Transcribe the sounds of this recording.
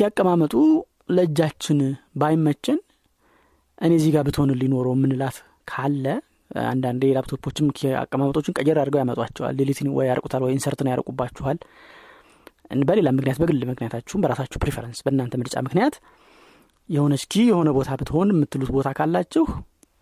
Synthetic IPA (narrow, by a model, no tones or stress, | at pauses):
ijakʼːəmamət̪ʼu | ləɨd͡ʒːat͡ʃːɪnbajmːət͡ʃːɛn | ʔɨnezihɡabɨt̪ho̞nɨlːino̞ɾumːɨnɨlat̪ | kʰalːə | a̰nd̪and̪elabt̪ʰopʰːo̞t͡ʃːɪma̰kʼːəmamət̪ʼo̞t͡ʃːɪnkʼəd͡ʒɛɾaɾɡəwjamət̪ʼwat͡ʃːɛwa̰lːilit̪ʰnwɔ̰jjaɾəkʼu̥t̪ʰalwɔjɪnsəɾt̪nəwjaɾə̰kʼubːat͡ʃːɛhal | bəle̞lamɨknijat̪bəɡɨlːmɨknijat̪ʰat͡ʃːɛhumbəɾasat͡ʃːɛwpɾefeɾənsbəɨnːant̪əmɨɾt͡ʃʼa̰mɨknijat̪ | jɛhonət͡ʃkʰijɛho̞nəbo̞t̪ʰabɨt̪ʰho̞nɪmːɨt̪ːɨlut̪bo̞t̪ʰakʰalːat͡ʃːɛh